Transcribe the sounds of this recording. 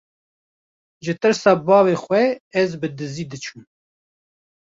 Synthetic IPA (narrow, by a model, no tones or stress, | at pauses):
ʒɨt̪ɨɾsɑːbɑːveːxʷwɛɛzbɨd̪ɨziːd̪ɨt͡ʃʰuːm